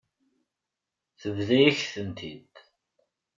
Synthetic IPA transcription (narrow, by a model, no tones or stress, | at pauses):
θəvðæjæçθənt̪ʰid̪